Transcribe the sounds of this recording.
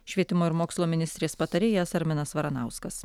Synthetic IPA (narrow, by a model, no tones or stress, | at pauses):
ʃʲʋʲiɛt̪ʲɪmoːɪɾmoːkslˠoːmʲɪnʲɪst̪ʲɾʲeːspɐt̪ɐɾʲeːjɛsɐɾʲmʲɪnɐsʋɐɾɐnɑˑʊskɐs